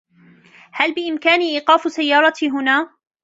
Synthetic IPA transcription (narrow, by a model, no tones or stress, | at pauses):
halbɪʔɪmkaːniʔiːqɑːfsajːɑːɾˤɑt̪iɦʊnaː